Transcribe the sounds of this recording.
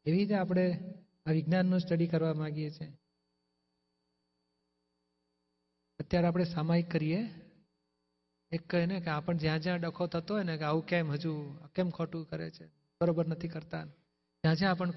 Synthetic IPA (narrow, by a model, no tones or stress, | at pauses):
eʋiɾit̪eapɽ̃e | aʋɪɡnanːũsʈəɽikəɾʋamãɡjet͡ʃʰe | ət̪jaɾeapɽ̃esamaikːəɾije | ekːəinekeapəɳd͡ʒjãd͡ʒjãɖəkʰot̪ʰət̪oɦojnekeaʋũkemɦəd͡ʒuakemkʰoʈũkəɾḛt͡ʃʰe | bəɾobəɾnət̪ʰikəɾt̪a | d͡ʒãd͡ʒãːpəɳ